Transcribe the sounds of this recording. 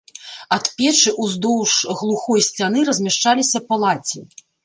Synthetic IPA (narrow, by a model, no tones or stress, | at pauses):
ɐt̪pʲɛt͡ʂɨʔuzd̪ɔwʂɣlˠuxɔjsʲt͡sʲanɨɾɐzʲmʲaʂt͡ʂalʲisʲɐpalˠat͡sʲi